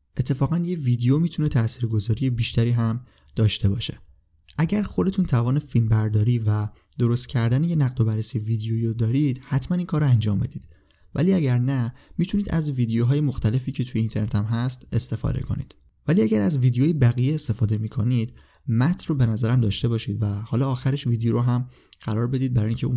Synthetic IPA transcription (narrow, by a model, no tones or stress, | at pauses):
ʔe̞t̪ʰːe̞fɒːɣænjevid̪ejomiːt̪ʰune̞t̪ʰæsiːɾɡo̞zɒːɾijebiːʃt̪æɾiːɦæm | d̪̥ɒːʃt̪e̞bɒːʃe | ʔæɟæɾxo̞d̪e̞t̪ʰuːnt̪ʰævɒːne̞filbæɾd̪ɒːɾiːvæ | d̪̥o̞ɾost̪cʰæɾd̪æneje̞næɣd̪o̞bæɾːesijeviːd̪ejoiːɾod̪ɒːɾiːd̪̥hæt̪ʰmæniːnkʰɒːɾoænd͡ʒɒːmbe̞̰d̪iːd̪̥ | væ̰liːæɟæɾnæmiːt̪ʰuniːd̪æ̰zviːd̪ejoɦɒːjemoxt̪æle̞fiːcʰe̞t̪ʰujeint̪ʰe̞ɾnet̪ʰæmɦæst̪e̞st̪e̞fɒ̰ːd̪e̞̰kʰo̞̰nḭːd̪̥ | væliæɟæɾæzviːd̪ejoːjebæɣijeːst̪e̞fɒːd̪e̞miːkʰoniːd̪̥ | mæt̪ʰrobe̞næzæɾæmd̪ɒːʃt̪e̞bɒːʃiːd̪væhɒːlɒːxæɾeʃvid̪joɾoɦæm | ɢ̥æɾɒːɾbe̞d̪iːd̪̚bæɾɒːjiŋcʰeu